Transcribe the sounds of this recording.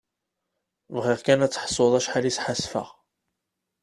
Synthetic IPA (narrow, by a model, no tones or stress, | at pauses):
vʁiʁkænæt͡sːə̥ħsˤoðˤæʃħalisħasfə̰ʁ